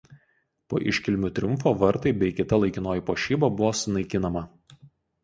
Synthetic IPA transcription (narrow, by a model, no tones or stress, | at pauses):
po̰ːʔɪ̰ʃʲkʲɪlʲmʲʊt̪ʲɾʲʊmfoːʋɐɾt̪ɐɪbʲɛɪkʲɪt̪ɐlˠɐɪkʲɪnoːjipoːʃʲiːbɐbʊʋoːsʊnɐɪkʲɪnɐmɐ